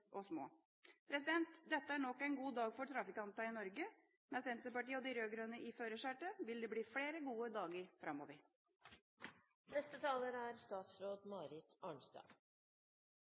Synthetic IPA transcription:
ʔɔsmo̰ː | pʰɾɛsɪd̪ɛnt̪d̪ɛt̪ːəæɳɔkːæɪnɡuːd̪ɑːɡfɔʈʰɾɑfɪkɑnt̪ɑɪnɔɾɡə | mɛsɛnt̪səpɑʈiːəɔd̪ɪɾøːɡɾʉnːəʔɪføːɾəʂæːʈəʋɪld̪eːbliːfɽeːɾəɡuːəd̪ɑːɡəɾfɾɑmːo̰ːʋəɾ | nɛst̪ət̪ʰɑːləɾæɾst̪ɑːt̪sɾoːd̪mɑːɾɪt̪ɑːɳst̪ɑ̰

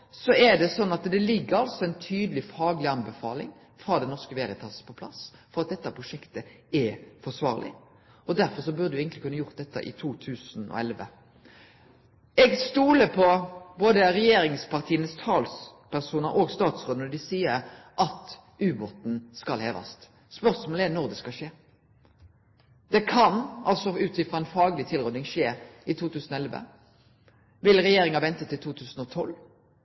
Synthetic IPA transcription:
sɔɛɖ̪ɛsɔnːɑt̪d̪ɛlɪɡːəɾɑlsɔɛɪnt̪ʰyːd̪əlɪfɑːɡlɪɑnbɛfɑ̰ːlɪ̰ŋ | fɾɑːd̪ɛnɔʁʂkəʋeːɾət̪ʰɑspʰɔpʰlɑ̰sfɔɾɑt̪̚d̪ɛt̪ːəpʰʁʊʂɛkt̪ə | ɛfɔʂʋɑ̰ːɾlʔɪ̰ | ɔd̪æɾfɔɾsɔbʉʁd̪ʉɛːɡənt̪lɪkʉnːəjʊɾt̪̚d̪ɛt̪ːə̰ʔɪ̰t̪ʰuːt̪ʰʉːsnɔ̰ɛlʋə̰ | ɛɡst̪uːləpʰɔboːd̪əɾɛjeːɾɪŋspɑʁt̪ʰiːənəst̪ʰɑːlspʰæʁsuːnəɾʔoːɡst̪ɑːt̪sʁoːd̪ənɔd̪ɪsiːəɾ | ʔɑt̪ | ʔʉːbɔt̪n̩skɑlhḛːʋɑ̰st̪ | spœʁsmoːləɛnɔʁd̪ɛskɑʃeː | d̪̥ɛkʰɑnɑ̰lsɔʉːt̪ʰɪfʁɑːɛnfɑːɡlɪt̪ʰɪlʁɔd̪nɪŋʃeːɪt̪ʰuːt̪ʰʉːsən̩ɔɛlʋə̰ | ʋɪlʁɛjeːɾɪŋɑʋɛnt̪ət̪ʰɪlt̪ʰuːt̪ʰʉːsən̩ɔt̪ʰɔl

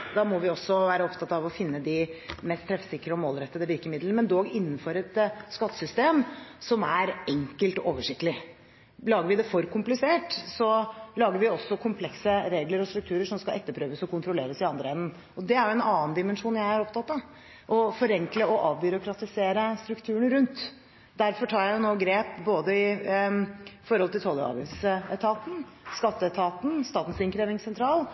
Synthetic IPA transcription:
d̪ɑːmɔʋɪɔsːɔʋæːɾəɔpt̪ʰɑt̪ːɑʋɔfɪnːəd̪ɪmɛst̪ʰːɾɛfə̥sɪkːəɾəɔmoːlɾɛt̪ːəd̪əʋɪɾkəmɪd̪lənmɛnd̪oːɡɪnːənfɔɾɛt̪skɑt̪ːə̥sʏst̪eːmsɔmæɾɛŋkəlt̪ɔʔoːʋəʂɪk̚t̪əlɪ | lɑːɡəɾʋɪd̪ɛfɔɾkʰʊmplɪseːʈsɔlɑːɡəɾʋɪɔsːɔkʰʊmpʰlɛksəɾeːɡləɾɔst̪ɾʉk̚t̪ʰʉːɾəʂɔmskɑlɛ̰t̪ːəpʰɾøːʋəsɔkʰʊnt̪ɾʊleːɾəsɪɑnd̪ɾəɛnːn | ɔd̪ɛæɾjʊɛnɑːnd̪ɪmənʂuːnjæɪhɑɾɔpt̪ʰɑt̪ːɑ | ʔɔfɔɾɛŋkləɔʔɑːʋbʏɾʊkɾɑt̪ɪseːɾəst̪ɾʉkt̪ʰʉːəɳɾʉnt̪ | d̪æɾfɔʈʰɑːɾjæjʊnoːɡɾeːpboːd̪əɪ | fɔɾhɔlt̪ɪlt̪ʰɔlːə̰ɾɑ̰ːʋɪ̰sɛt̪ʰɑːt̪n̩ | skɑt̪ːəɛt̪ʰɑːt̪n̩st̪ɑːt̪n̩sɪŋkʰɾeːʋɪŋsɛnt̪ʰɾɑːl

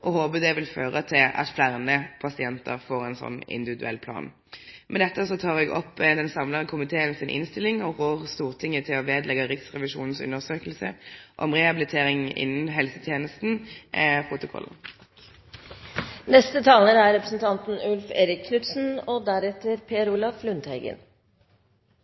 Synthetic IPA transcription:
ʔɔhoːbəd̪ɛʋɪlføːʁət̪ʰɪlɑ̰t̪flæʁnəpʰɑsɪɛnt̪ə̰ʁfoːʁɛnsɔ̰nːɪ̰nd̪ɪʋɪd̪ʉɛ̰lːpʰlɑ̰ːn | mʔɛnd̪ɛt̪ːəsɔt̪ʰɑːʁɛɡɔ̰pːd̪ɛnsɑmləʁəkʰʊmɪt̪ʰeːənsɪnʔɪ̰nst̪ɪlɪŋɔʁoːʁst̪uːʁt̪ʰɪŋːət̪ʰɪlɔʋeːd̪lɛɡɑɾɪt̪sʁɛʋɪʂṵːnn̩sʉ̰nːəʁsøːkəlsə̰ʔɔ̰mʁɛhɑbɪlɪt̪ʰeːʁɪŋɪ̰nːən̩ɦɛlsət̪ʰjeːnəst̪n̩pʰʁʊt̪ʊkʰɔ̰l̩ː | nɛst̪ət̪ʰɑːləɾæɾɾɛpɾəsn̩t̪ʰɑnt̪n̩ʉlfeːɾɪkʰːnʉt̪sn̩ɔd̪æɾɛt̪əɾpʰeːɾulɑflʉnt̪hæɪɡə̰n

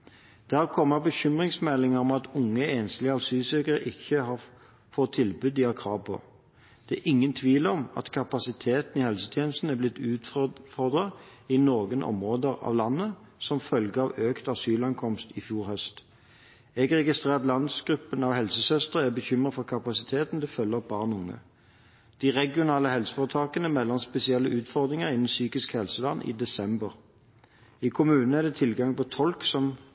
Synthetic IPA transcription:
d̪̥ɛhɑʁkʰɔmːɑbəçʏmʁɪŋsmɛlɪŋəʁɔmɑt̪ʰʊŋːəeːnslɪɑlsyːsɛkəʁəʔɪçəhɑ | fɔt̪ʰːɪlbʉd̪ɪɑkʰʁɑːʋpʰɔ̰ | d̪̥ɛæʔɪŋːənt̪ʰʋiːlɔmɑ̰t̪kʰɑpɑsɪt̪ʰeːt̪n̩ihɛlsət̪ʰjeːnəst̪n̩æblɪt̪ːʉːt̪fɔʁd̪ʁɑɪnoːɡənʔɔ̰mʁoːd̪əʁɑ̰ːʋlɑnːə | sɔmfœlɡəɑʋøːkt̪ɑsyːlɑŋkʰɔmst̪ɪfjuːɾhœst̪ | ɛɡʁɛɡɪst̪ʁeːʁt̪lɑnd̪sɡʁʉpːənɑʋhɛlsəsœst̪əʁəæbəçʏmʁət̪fɔʁkʰɑpɑsɪt̪ʰeːt̪n̩d̪ɛfœlːəʁbɑːʁnʊŋːə̰ | d̪̥iʁɛɡɪʊnɑːləhɛlsə̥fɔʁət̪ʰɑːkənəmɛlːɔnspɛsɪɛlːəʔʉːt̪fɔʁd̪ʁɪŋəʁɪnən̩syːkɪskhɛlsəlɑnːʔḭːd̪ɛsɛmbəʁ | ikʰʊmʉːnn̩æʁd̪ɛt̪ʰɪlɡɑŋpɔt̪ʰɔlksɔm

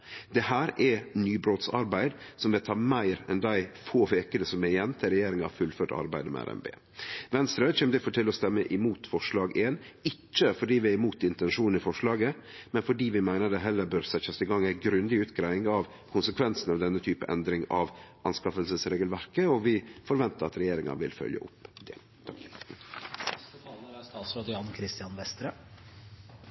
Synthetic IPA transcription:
d̪̥ɛhæːɾɛnyːbɾoːt̪sɑ̰ɾbæɪd̪sɔmʋɪt̪ʰɑːmæɪɾɛnd̪æɪfoːʋeːkənəsɔmɛjɛnːt̪ʰɪɾɛjeːɾɪŋɑ̰ʋfʉlføːʈɑ̰ɾbæ̰ɪd̪əmɛ̰æ̰ɾɛ̰mbḛː | ʋɛnst̪ɾøːt͡ʃʰɛːmd̪ɪfoːʈ̪ɪlɔst̪ɛmːəʔɪmuːt̪fɔʂɭɑːɡeːnɪt͡ʃːəfɔɖiːʋɪæɾɪmuːt̪ɪnt̪ɛnʂuːn̩ɪfɔʂlɑːɡəmɛnfɔɖiːʋɪmæɪnəɖ̪ɛɦɛlːəɾbøːɾsɛt̪ːəsɪɡɑŋːæɪɡɾʉnd̪ɪʉːt̪ɡɾæɪɪŋɑʋ | kʰʊnsəkʰʋɛnsn̩ɑʋd̪ɛnːət̪ʰyːpə̰ʔɛ̰nd̪ɾɪŋɑʋʔɑnskɑfəlsəsɾeːɡəlʋæɾkəɔʋɪfɔɾʋɛnt̪əɾɑt̪ɾɛjeːɾɪŋɑ̰nʋɪ̰lfœ̰ljə̰ʊ̰pd̪̥ɛ̰ | ət̪ʰɑlnəæst̪ɑːt̪sɾod̪ɪɑnkʰɾɪst̪ɪɑnʋɛst̪ɾə

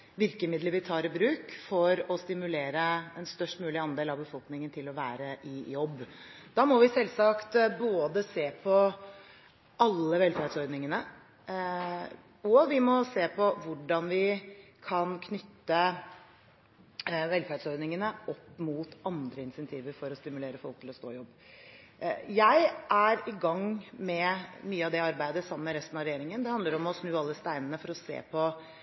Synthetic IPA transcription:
ʋɪɾkəmɪd̪ləɾʋɪt̪ʰɑːɾɪbɾʉːkfɔɾɔst̪ɪmʉleːɾəɛnst̪œʂʈmʉːlɪɑnd̪eːlɑʋbəfɔlknɪŋənt̪ʰɪlɔʋæːɾəʔɪjɔbː | d̪̥ɑːmɔʋɪsɛlːsɑkt̪boːd̪əseːpʰɔ | ʔɑlːəʋɛlfæɖsɔɾd̪nɪŋənə | ɔʋɪmɔseːpʰɔʋʊɖɑnʋɪkʰɑnkʰnʏt̪ːə | ʋɛlfæɖsɔɾd̪nɪŋənəʔɔpːmuːt̪ɑnd̪ɾəɪnsɛnt̪ʰiːʋəɾfɔɾɔst̪ɪmʉleːɾəfɔlkt̪ʰɪlɔst̪o̰ːɪjɔbː | jæɪʔæɾɪɡɑŋmɛmyːəɑʋd̪ɛɑɾbæɪd̪əsɑmːəɾɛst̪nɑʋɾɛjeːɾɪŋənd̪ɛhɑnd̪ləɾɔmɔsnʉːɑlːəst̪æɪnənəfɔɾɔsḛːpʰɔ

